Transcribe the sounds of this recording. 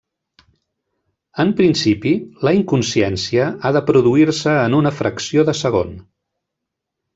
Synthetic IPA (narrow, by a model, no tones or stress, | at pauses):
əmpɾinsipiləiŋkunsɛnsiəaðəpɾuðuiɾsəːnunəfɾʔəksioðəsəɣ̞o̰n